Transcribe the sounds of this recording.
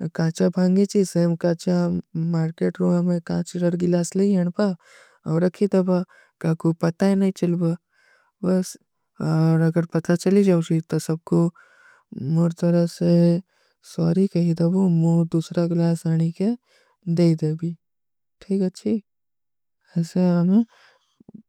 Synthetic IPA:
kãːt͡ʃabʱãːŋɡet͡ʃiseːmkãːt͡ʃamaːɾkeːʈɾoamẽkãːt͡ʃɾɐɾɡɪlaːsleiɦɐɽ̃pa | ɔːɾɐkʰit̪ɐba | kãːkopɐt̪aɛnɐɦĩt͡ʃɐlba | bɐs | ɔːɾɐɡəɾpɐt̪at͡ʃɐlid͡ʒaːʊt͡ʃit̪ɔsɐb̚ko | moɾt̪ɐɾəse | sɔːɾikɐɦid̪ɐbomoːɾd̪uːsɾaɡlaːsaːɽ̃ike | d̪eːid̪ebʱi | ʈʰiːkɐtːʃʰi | ɛːseɐme

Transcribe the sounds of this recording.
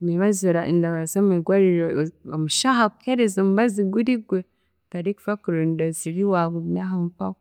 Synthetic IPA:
miβazoɾaʔindaβazamiɡwaɾiɾoomuʃaɦakukeɾezomuβaziɡuɾiɡwe | taɾiku̥fakuɾondaziɾiwaβuɲaɦamupak

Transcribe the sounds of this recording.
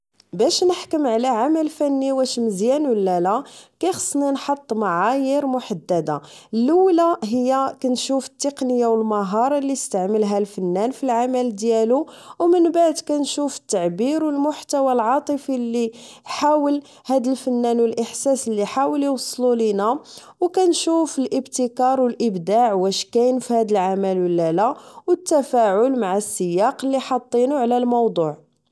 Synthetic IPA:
bæʃnəħkəmʕlæʕamælfænːiwæʃməzjænwəlːælækæjxə̥sˤːninħɑt̪ˤːmaʕajəɾmʊħad̪ːæd̪a | lːuwlaɦəjːækænʃufə̥t̪ːeqnəjːawəlmɑɦɑɾˤlːiəst̪əʕməlɦælfənːænfilʕamæld̪jæluwmənbaʕd̪kænʃufə̥t̪ːaʕbiɾwəlmʊħt̪æwalʕɑt̪ˤəfilːi | ħawəl | hæd̪əlfənːænwəlʔəħsæsəlːiħawəliwɑsˤːlulinæ | wkænʃufəlʔəbt̪əkɑɾˤwəlʔəbd̪aʕwæʃkæjnfihæd̪əlʕamælwəlːælæwət̪ːæfæʕʊlmaʕasːəjɑqəlːiħɑt̪ˤːinuʕlælmɑwd̪ˤuʕ

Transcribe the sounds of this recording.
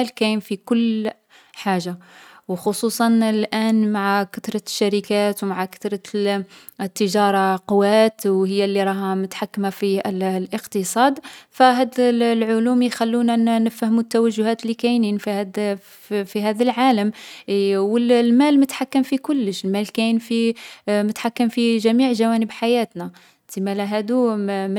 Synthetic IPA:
lkæjnfikʊlː | ħaʒːawxosˤusˤɑnlʔænmaʕakat̪ɾˤɑʃːæɾikæt̪wmaʕakḁt̪ɾˤɑ | t̪ːəʒɑɾˤɑqʊwæt̪whəjːælːiɾˤɑɦæmʊt̪ħakːmafillʔəqt̪əsˤɑd̪fæɦæd̪llʕʊlumjxælːunænəfæhmut̪ːæwæʒːʊhæt̪lːikæjninfihæd̪ | fiɦæd̪əlʕaləm | wəllmælmət̪ħakːəmfikʊlːəʃəlmælkænfimət̪ħakːəmfiʒæmiʕʒæwænəbħajæt̪næ | t̪imælæɦæd̪um

